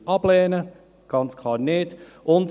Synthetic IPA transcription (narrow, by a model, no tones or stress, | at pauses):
ʔɑblɛːnə | ɡ̥ɑnt͡skʰlˠɑːɾneːd | ʔʊnt